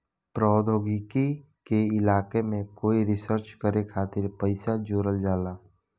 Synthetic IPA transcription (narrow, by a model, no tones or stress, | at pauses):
pɾɔːd̪ʱoːɡɪki | keɪlaːkemẽkoːiɾɪsəɾt͡ʃkəɾekʰaːt̪ɪɾpəɪsad͡ʒoːɾəld͡ʒaːlaː